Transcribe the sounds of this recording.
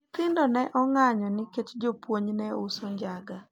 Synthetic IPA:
t̪ɪndɔnɛʔɔŋaɲɔnɪket͡ʃd͡ʒopwoɲnɛʊsoɲd͡ʒaɡa

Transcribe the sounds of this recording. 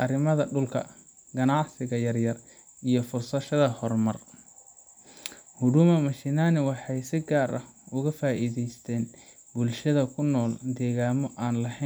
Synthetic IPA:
ʔɐɾɪmɐðɐɖʊlkʰɐ̰ | ɡɐnɑʕsɪɣɐjɐrjɐr | ijɞfʊrsɐʃɐðɐhɔrmɐr | hʊɽʊmɐmɐʃɪnaːnɪwɑħɑjsɪɡaːɾɐhʊɣɐfaːʔiːðɛjst̪ʰɛːn | bʊlʃɐðɐkʰʊnːɔːld̪ɛːɣaːmɔʔaːnlɐhɛ

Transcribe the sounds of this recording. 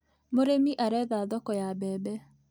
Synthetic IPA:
moɾemiʔaɾɛðaðɔkɔjabɛːbɛ

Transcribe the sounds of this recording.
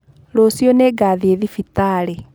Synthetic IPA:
ɾosijɔneɡaːðieðifitaɾɛ

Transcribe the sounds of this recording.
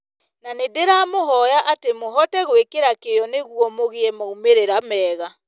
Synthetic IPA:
nanedeɾaːmoɦɔjaʔatemoɦɔtɛɣwekeɾakejɔneɣuɔmoɣeɛmaumeɾeɾamɛːɣa

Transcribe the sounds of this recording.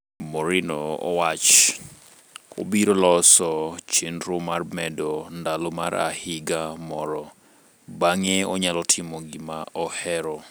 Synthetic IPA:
mɔɾinɔɔ̰wat͡ʃ | o̰biɾolɔsɔt͡ʃendɾomarmɛdɔndalomaɾa̰hɪɡamɔɾɔ | baŋeɔɲalɔtʰɪmoɡɪmaʔɔhɛɾɔ

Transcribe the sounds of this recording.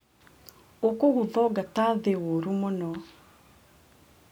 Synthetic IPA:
okoɣuðɔɡataðewoɾumonɔ

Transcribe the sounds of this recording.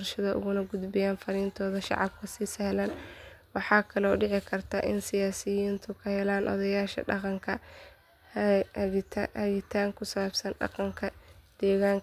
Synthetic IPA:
rʃɐðɐʔʊ̰ɣʊnɐɡʊd̪bɪjaːnfɐɾiːnt̪ʰɔːðɐʃɑ̰ʕɑ̰bkʰɐsiːsɛhlɐn | wɑħɑːkʰɐlɔːɖɪʕɪkʰɐrt̪ʰaʔɪnsɪjaːsɪjiːnt̪ʰʊkʰɐhɛlaːnʔɔ̰ðɐjaːʃɐ̰ɖɑ̰qɑŋkʰɐ | t̪ʰːhɐɣɪt̪ʰaːŋkʰʊsɐaːbsɐnɖɑ̰qɑŋkʰɐd̪̥ɛːɣaːŋ

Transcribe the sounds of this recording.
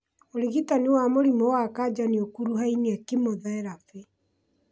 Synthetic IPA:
oɾiɣitaniwamoɾimɔwakad͡ʒaniokuɾuɦainiakimoðɛɛɾafe

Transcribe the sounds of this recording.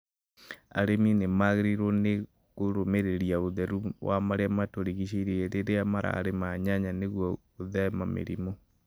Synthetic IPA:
a̰ɾeminemaɣeɾiɾone | ɣoɾomeɾeɾiaoðɛɾuwamaɾeamatoɾiɣiʃ̬eiɾeɾeɾeamaɾʔa̰ːɾemaɲaɲaneɣwɔ | oðɛmamḛɾḭmo

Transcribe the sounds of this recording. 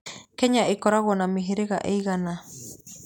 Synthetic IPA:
kɛɲaʔekɔɾaɣɔnamiɦiɾeɣa̰ʔejɣana

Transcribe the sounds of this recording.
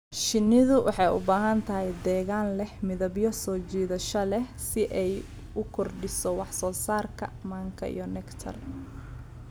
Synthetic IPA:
ʃɪnːɪðʊwʔɑ̰ħɑjʊ̰baːɦɐnt̪ʰɐɦɛjd̪ɛːɣaːnlɛhmɪðɐbjɔsɔːt͡ʃiːðɐʃɔlɛhsɪʔɛj | ʊkʰɔrɖɪsɔwɑħsɔːsaːrkʰɐ̰maːŋkʰɐ̰ʔḭjɔnɛkt̪ʰɐ̰r

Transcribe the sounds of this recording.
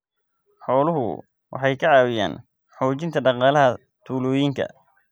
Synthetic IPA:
ħɔːlʊɦʊ̰ | wʔɑ̰ħɑjkʰɐʕɑːwɪja̰ːn | ħɔːt͡ʃɪnt̪ʰɐɖɑqɑːlɐɦɐ | t̪ʰuːlɔːjiŋkʰɐ̰

